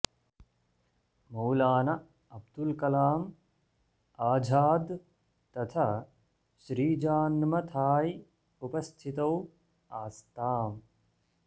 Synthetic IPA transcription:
mɐwlaːnɐ | ɐb̚d̪ulkɐlaːm | aːd͡ʒʱaːd̪ | t̪ɐt̪ʰa | ʃɾiːd͡ʒaːnmɐt̪ʰaːj | upɐst̪ʰit̪ɐw | aːst̪aːm

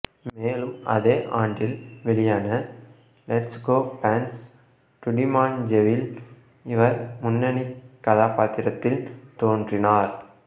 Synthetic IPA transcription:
meːlɯmɐ̰ðeːʔaːɳɖɪlʋɛɭɪjaːnɐ | lɛʈsɡoːpaːns | ʈʊɖɪmaːnd͡ʒɛʋɪl | ɪʋɐɾmʊnːɐnikːɐðaːpaːt̪ɪɾɐt̪ːɪlt̪oːndrɪnaːɾ

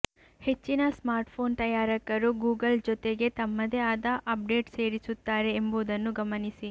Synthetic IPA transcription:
he̞t͡ʃːinɐsmaːɾʈpʰo̞ːnt̪ɐjaːɾɐkɐɾuɡuːɡɐld͡ʒɔt̪eɡe̞t̪ɐmːɐd̪eaːd̪ɐʔɐp̚ɖe̞ːʈse̞ːɾisut̪ːaːɾe̞ːmboːd̪ɐnːuɡɐmɐnisi

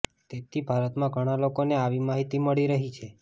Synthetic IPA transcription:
t̪et̪ʰibʱaɾət̪mãɡʱəɽ̃alokoneaʋimaɦit̪iməɭiɾəɦit͡ʃʰe

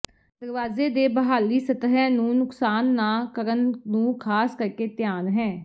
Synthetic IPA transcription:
d̪̥əɾʋaːzeːd̪eːbəɦaːliːsət̪ɦɛːnũːnʊksaːnːaːkəɾənnũːkʰaːskəɾkeːt̪ɪjaːnɦɛː

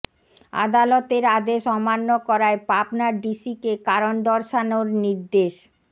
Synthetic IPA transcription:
a̰d̪alot̪eɾad̪eʃɔmanːokɔɾaepapnaɖisikekaɾond̪ɔɾʃanoɾniɾd̪eʃ

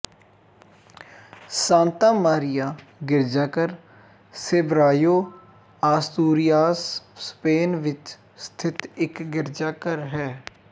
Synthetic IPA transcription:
sãːnt̪ãːmaːɾɪjaː | ɡɪɾd͡ʒaːkəɾ | seːbɾaːjoː | aːst̪uːɾɪjaːsːpeːnʋɪt͡ʃ | st̪ʰɪt̪ɪkɡɪɾd͡ʒaːkəɾɦɛː

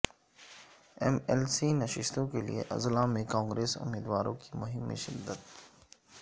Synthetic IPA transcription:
ɛmɛːlsinɐʃɪʃt̪õkelḭḛʔɐ̰zlamẽkãːŋɡɾeːsʊ̰mːiːd̪ʋaːɾõkimʊɦɪmːḭʃɪd̪ːət̪

